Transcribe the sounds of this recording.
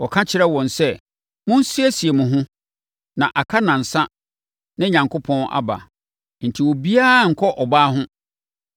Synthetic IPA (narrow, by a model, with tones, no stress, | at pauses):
wɔ˨kʰã˦t͡ɕʰɪ˦ɾɛ˦wɔ̃˨nsɛ˦˨ | mʊ̃˦n̩˦si˦æ˦si˨e˨mʊ̃˨ɦʊ̃˦ | nã˨ʔa˨kʰa˦nã˨n̩˨sã˦ | nɪ̃˦ɲã˨ŋkʰo˦pʰɔ̃˦na̰˨ba̰˨ | n̩˨tʰi˨wɔ˨bi˦a˦˨ŋ̩˨kʰɔ˦ʔɔ˨baː˦ɦʊ̃˦